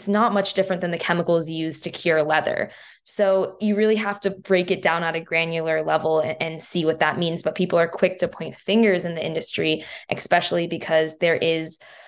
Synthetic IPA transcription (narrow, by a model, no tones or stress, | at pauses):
tsnət̚mʌt͡ʃd̥ɪfɹɨ̃nðɨ̃nðɨkʰɛməkl̩ˠzjʉztʰɨkʰj̥ʊɹlɛðə̰˞ | soʊjɨɹɪlˠiɦæftɨbɹeɪkɨt̚d̥ãʊ̃nəɾɨɡɹæ̃njɨl̩ˠə˞lɛvl̩ˠɨ̃nsiwʌt̪̚ðət̚mĩnzbʌt̚pʰipl̩ˠə˞kʰw̥ɪk̚tʰɨpʰɔ̃ɪ̃ntfɪ̃ŋɡə˞zɨ̃nðiʔɪ̰̃ndɨstɹ̥iʔɨspɛʃl̩ˠibɨkʰʌzðə˞ʔɪz̥